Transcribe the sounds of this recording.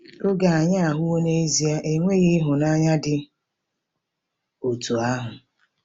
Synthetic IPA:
o˦ɡa˨a˨ɲa˦a˨ɦʊ˦wo˦ne˦e˦zi˨a˦ʔe˦ŋʷe˦ɣe˦ɦʊ˨na˦ɲa˦dɪ˦ | o˨tu˨a˦ɦʊ˨

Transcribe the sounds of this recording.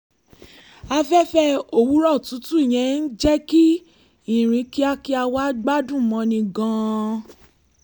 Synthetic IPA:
a˧fɛ˦fɛ˦o˨wu˨˦ɾɔ˦˨tũ˨˦tũ˦i˨j̃ɛ̃˨˧˦n̩˦d͡ʒɛ˦ki˦ | ĩ˨ɾ̃ĩ˧˦ki˦a˦ki˦a˧wa˦ɡ͡ba˦dũ˦˨mɔ̃˧nĩ˧ɡɔ̃˧

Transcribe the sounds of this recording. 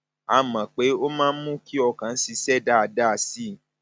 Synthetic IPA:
a˦mã˨k͡pe˨˦o˦mãː˦˧n̩˦mũ˦ki˦ɔ˧kã˨n̩˦si˧sɛ˦˨da˦a˧da˦˧si˦˨

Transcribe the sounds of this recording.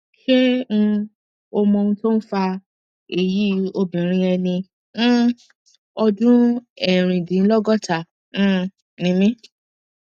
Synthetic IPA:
ʃe˦ũ˧ | o˧mɔ̃˧ũ˧to˦n̩˦fa˧ | e˨ji˨˦o˧bĩ˨ɾ̃ĩ˧ɛ˧nĩ˧˦ | ɔ˧dũ˦ɛ˨ɾ̃ĩ˨dĩ˨˦n̩˦lɔ˦ɡɔ˦tã˦˨ | nĩ˨˦mĩ˦

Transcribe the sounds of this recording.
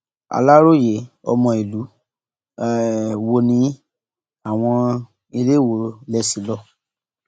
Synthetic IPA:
a̰˨la˦ɾo˦˨je˨˦ɔ̰˧mɔ̃˧˨i˨lu˨˦˨ | wo˧nĩ˨˦ | a˨w̃ɔ̃˧ | i˧le˦˨wo˨lɛ˦si˨˦lɔ˦˨

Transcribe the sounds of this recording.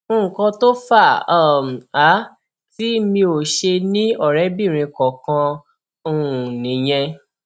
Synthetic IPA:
ũ˦˨kɔ̃˧to˦fa˦˨˦m˨a˨˦ | ti˦mĩ˧o˨ʃe˧nĩ˦ɔ˦˨ɾɛ˨˦bĩ˦˨ɾ̃ĩ˧kɔ˨kã˧ | ũ˧˨nĩ˨˦j̃ɛ̃˧

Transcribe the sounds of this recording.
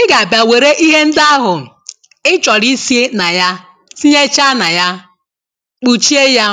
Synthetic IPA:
ɪ˦ɡa˨a˨bja˨we˨ɾe˦ʔi˦ɦe˦n̩˦da˦a˦ɦʊ˨ | ɪ˦t͡ʃɔ˨ɾi˦si˦e˦na˨ja˦ | si˦ɲe˦t͡ʃa˦na˨ja˦ | k͡pu˨t͡ʃi˦e˦ja˦

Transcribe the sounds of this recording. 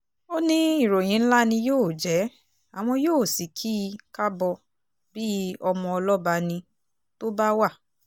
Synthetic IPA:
o˦nĩ˦i˦˨ɾo˨j̃ĩ˨˦ñ̩˦la˦nĩ˧joː˦˨d͡ʒɛ˨˦ | a˨w̃ɔ̃˧joː˦˨si˨kʰi˦˧ka˦bɔ˧ | bi˦ɔ˧mɔ̃˧ɔ˧lɔ˦ba˧nĩ˧ | to˦ba˦wa˦˨

